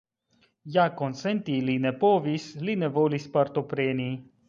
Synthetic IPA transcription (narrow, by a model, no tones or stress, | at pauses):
jakont̪sɛnt̪ilinɛpoːvislinɛvoːlispəɾt̪opɾeːni